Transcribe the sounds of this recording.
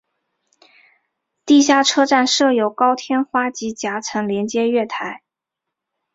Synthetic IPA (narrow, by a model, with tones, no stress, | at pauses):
t̪i˥˧ɕ̬ja˥˩ʈ͡ʂʰɤ˥ʈ͡ʂa˥˧nʂɤ˥˩jo˨˩ʊkɑ˥ʊt̪ʰjɛ˥nxwa˥t͡ɕi˧˥t͡ɕja˧˥t͡sʰɤ˧˥ŋljɛ˧˥nt͡ɕjɛ˥ɥɛ˥˩t̪ʰa˧˥ɪ